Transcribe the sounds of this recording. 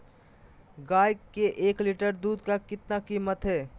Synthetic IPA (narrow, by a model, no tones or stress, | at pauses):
ɡaːjkːeʔeːkliʈəɾd̪uːd̪kakɪt̪nakiːmət̪ɦɛː